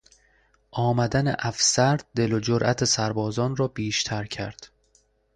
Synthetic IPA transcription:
ʔɒːmæd̪ænḛʔæfsæɾd̪̚d̪e̞lod͡ʒoɾʔæt̪ʰesæɾbɒːzɒːnrɒːbiːʃt̪ʰæɾcʰæɾd̪̥

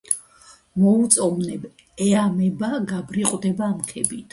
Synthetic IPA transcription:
mɔut̪sʼɔvnɛb | ɛamɛbaɡabɾiqʼwd̪ɛbaːmkʰɛbit̪ʰ

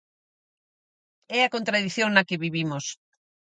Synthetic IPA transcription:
ɛɐkont̪ɾaðiθjoŋnɐkeβiβimos

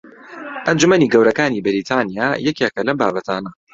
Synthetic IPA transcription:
ʔɐnd͡ʒumɐniːɡɐwɾɐkaːniːbɪɾiːt̪ʰaːnijaːjɛkekɐlɐmbaːbɐt̪ʰaːnɐ

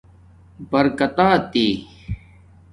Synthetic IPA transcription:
bɐɾkɐt̪aːt̪eː

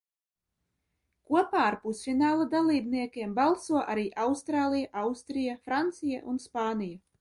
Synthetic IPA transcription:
kuɔpaːaɾpusfinaːlˠad̪alˠiːbniɛkʲiɛmbalˠsuɔʔaɾiːʔawst̪ɾaːlˠijaʔawst̪ɾijafɾant̪sija̰ʔunspaːnʲija

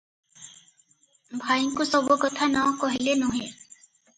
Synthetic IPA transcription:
bʱaiŋkusɔbukɔt̪ʰanɔkɔɦilenuɦẽ

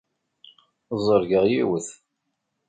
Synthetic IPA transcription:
zˤəɾɡəʁjiwəθ

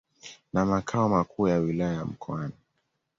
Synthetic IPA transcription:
namakʰaɔmakuːjawilaajam̩kʰɔani

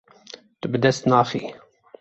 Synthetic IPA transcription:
t̪əbəd̪ɛsnafi

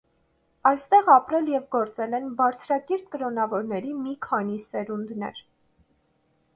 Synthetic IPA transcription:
ɑjst̪ɛʁɑpɾɛljɛvɡɔɾt͡sɛlɛnbɑɾt͡sʰɾɑkɛɾp̪̚kəɾɔnɑvɔɾnɛɾimikʰɑnisɛɾund̪nɛ̰ɾ

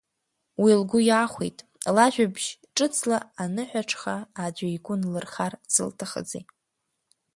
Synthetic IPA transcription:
wilɡʷʊjaːχʷḛjtʼ | laʒᶣʷabʒ̥ʈ͡ʂʼɨt͡sʰlaːnɨħʷᶣaʈ͡ʂʰχaːd͡ʒʷaiɡʷʼʊnlɨrχarsɨ̰ltʰaχə̰d͡zḛ

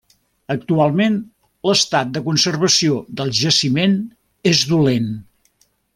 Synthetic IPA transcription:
ək̚t̪ualˠmen | ləst̪at̪̚d̪əkunsərβəsioðəlˠʒəsimen | ezðulen

